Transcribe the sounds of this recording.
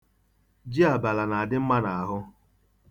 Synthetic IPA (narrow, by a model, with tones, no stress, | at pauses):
d͡ʒi˦a˨ba˨la˨na˨a˨dɪ˦m̩˦ma˦na˨a˨ɦʊ˦